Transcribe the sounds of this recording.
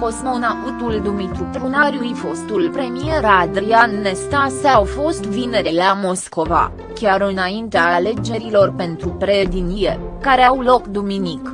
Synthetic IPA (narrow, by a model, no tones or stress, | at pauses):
ko̞smonaʔut̪uld̪umit̪ɾut̪ɾunaɾjujfo̞st̪ulpɾe̞mie̞ɾad̪ɾianːe̞st̪asawfo̞st̪vine̞ɾelamo̞sko̞va̰ | kʲaɾɨnaint̪eale̞d͡ʒe̞ɾilo̞rpe̞nt̪ɾupɾe̞d̪inije̞kaɾeawlo̞kd̪uminik